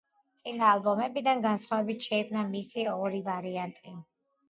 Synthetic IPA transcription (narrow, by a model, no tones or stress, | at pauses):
t̪sʼinaːlˠbɔmɛbid̪anɡansχwavɛbit̪ʰʃɛikʰmnamisiɔɾivaɾiant̪ʼi